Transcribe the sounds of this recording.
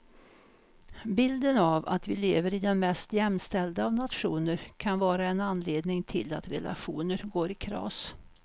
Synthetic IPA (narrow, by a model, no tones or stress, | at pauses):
bɪld̪ənava̰t̪vɪleːvəɾɪd̪ɛnmɛst̪jɛmst̪ɛld̪aavnat̪ɧuːnəɾkʰanvɑːɾaɛnanleːd̪nɪŋt̪ʰɪ̰lːat̪ɾɛ̰lʔa̰ɧuːnəɾɡoːɾɪkʰɾɑ̰ːs